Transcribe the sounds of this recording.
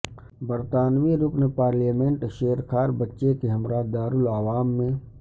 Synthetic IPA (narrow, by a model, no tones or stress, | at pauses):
bəɾt̪aːnʋiɾʊpnepaːɾljamẽɳʈʃeːɾkʰaːɾbətːʃekeɦɐmɾad̪aːɾʊlaːʋaːmːẽ